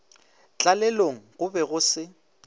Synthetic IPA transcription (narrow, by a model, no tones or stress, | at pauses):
t͡ɬʼalɛloŋ̩ɣʊbɛɣʊsɪ